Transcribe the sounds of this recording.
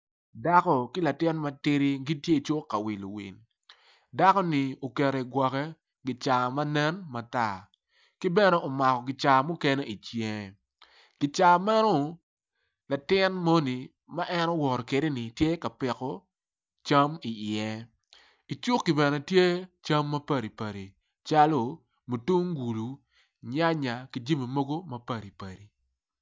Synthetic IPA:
da˦kɔ˦kɪ˦la˨tɪ˦nmɐ˦tɪ˦ɾi˦ɡi˦tje˦i˨t͡ʃʊ˦kːa˨wi˨lo̰˨wḭ˨n | da˦kɔ˦ni˨o˨kɛ˨ɾe˨i˨ɡwɔ˨kɛ˦ | ɡɪ˨t͡ʃa˨ma˦nɛ˦nma˨ta˦˨ | kɪ˦bɛ˦nɛ˦o˨ma˨kɔ˨ɡɪ˨t͡ʃa˨mʊ˦ke˦ne˦i˨t͡ʃje˦˨ | ɡ̥ɪ˨t͡ʃa˨mɛ˦nɔ˦ | la˨tɪ˦nmo˦ni˨ | ma˦ʔɛ˦nɔ˦wɔ˨ɾɔ˨ke˨de˦ni˨tje˦ka˨pɛ˨kɔ˦ | t͡ʃa˦mi˨ɪɛ˦ | i˨t͡ʃu˦kːi˨bɛ˨nɛ˨tje˦t͡ʃa˦mːɐ˦pɐ˨ɾi˨pɐ˨ɾi˨ | t͡ʃa˦lo˨ | mu˨tu˦ŋɡu˨lu˨ | ɲa˦ɲa˨ki˨d͡ʒi˦mi˨mo˦ɡo˦mɐ˦pɐ˦˨ɾi˨pɐ˨ɾi˨

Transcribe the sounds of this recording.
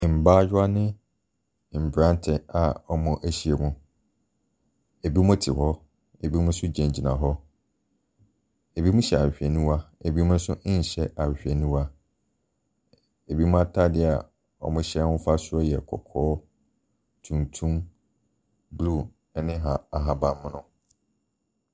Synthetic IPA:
m̩˨baː˦d͡ʑʊ˦a˦nɪ̃˦˨ | m̩˨bɾã˦n˦tʰɛ˨a˨ɔ˦mʊ̃˨ʔæ˦ɕi˦e˨mũ˦ | e˨bi˦mʊ̃˦tʰɪ̰˨ɦɔ˦ | e˨bi˦mʊ̃˦sʊ˦d͡ʑɛ̃˨ɲd͡ʑi˨nã̰˨ɦɔ˦ | e˨bi˦mʊ̃˦ɕɛ˨a˨ɕᶣɛ˨nũ˦wa˦e˨bi˦mʊ̃˦sʊ˦˨ɕɛ˦ʔa˨ɕᶣɛ˨nũ˦wa˦ | e˨bi˦mʊ̃˦a˦tʰa˦dɪ˦˨a˨ | ɔ̰˨mʊ̃˦ɕɛ˦mʊ̃˦fa˦sʊ˦ɔ˦jɛ˨kʰɔ̰˨kʰɔː˦ | tʰũ˨ntʰũ˦m | blu˦˨ | ɛ˨nɪ̃˦ɦã˨a˨ɦa˨bã˨mʊ̃˦nʊ̃˦

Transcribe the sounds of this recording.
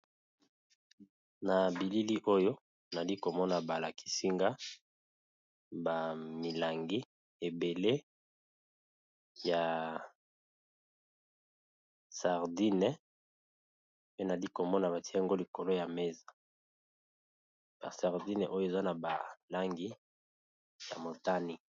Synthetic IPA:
na˨bi˨li˦li˦ʔo˦jo˦ | na˨li˦ko˨mɔ˦na˨ba˨la˨kʰi̥˦si˦ŋɡa˦ | ba˨mi˨la˨ŋɡi˦ | e˨be˨le˦ | ja˨ | sa˨ʁdi˦nɛ˦ | pe˦na˨li˦ko˨mɔ˦na˨βa˨ti˦˨ŋɡo˦li˨ko˨lo˦ja˨me˦za˨ | b̥a˨sa˨ʁdi˦nɛ˨ʔo˦jo˦e˨za˦na˨ba̰˨la˦ŋɡi˦ | ja̰˨mo˨ta˦ni˨

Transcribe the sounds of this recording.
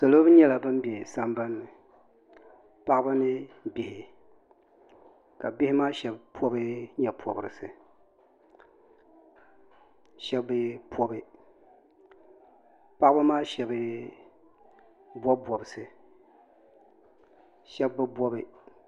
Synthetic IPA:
so˨lo˦bɨ˦ɲɛ˦la˨bɨ˦m˦bɛ˨sa˦mba˦nːɨ˨ | pa˦ʔba˦nɨ˦bi˨hɪ˨ | ka˨bi˦hɪ˦maː˦ʃɛ˨bpʰɔ˦bɨ˦ɲɛ˨pʰɔ˨bɨ˨ɾɨ˨sɨ˨ | ʃɛ˦bɨ˦pʰɔ˦bɨ˦ | pa˦ʔɨ˦ba˦maː˦ʃɛ˨bɨ˦ | bwɔ˦bɔ˨bɨ˨sɨ˨ | ʃɛ˦bːɨ˦bɔ˦bɨ˦

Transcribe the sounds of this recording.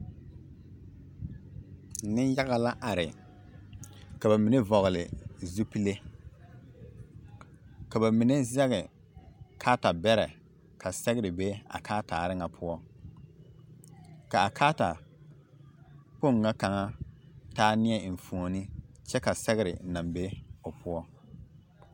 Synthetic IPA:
nɪ˦n˦ja˦ɣa˨la˦ʔa˨ɾɪ˨ | ka˨ba˨mi˨ne˦vɔ˨ɣɪ˨lɪ̰˨zu˦pi˦le˦ | ka˨ba˨mɪ˨ne˦zɛ˦ɣɛ˨ | kʰaː˦ta˨bɛ˦ɾɛ˨ | kʰa˨sɛ˦ɣɪ˦ɾɪ˨be˦a̰˨kʰaː˦taː˨ɾɪ˦ŋa˨pʰʊ˦ɔ˦ | ka˨a˨kʰaː˦ta˨ | k͡po˦˨ŋː˨a˦ka˨ŋa˦taː˦nɪ˦ɛ˨fu˨o˨nɪ˦t͡ʃɛ˦ka˨sɛ˦ɣɪ˦ɾɪ̰˨na˨mbe˦ʊ˨pʰʊ˦ɔ˦

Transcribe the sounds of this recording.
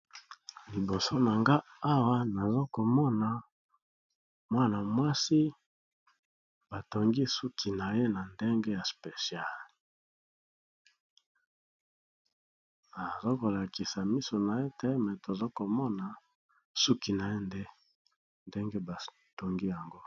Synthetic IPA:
li˨bo˨so˦na˨ŋɡa˦a˦wa˦na˨zo˦ko˨mɔ˦na˨ | mwa˦na˨mwa˦si˦ | b̥a˨to˨ŋɡi˦su˦kʰi˨na˨je˦na˨nde˦ŋɡe˦ja˨spe˨sja˦˨l | a˨zo˦ko˨la˨ki˨sa˨mi˦so˨na˨e˦te˦mɛ˨to˨zo˦ko˨mɔ˦na˨ | su˦ki˨na˨je˦nde˦ | nde˦ŋɡe˦ba˨ | to˨ŋɡi˦ja˨ŋɡo˦

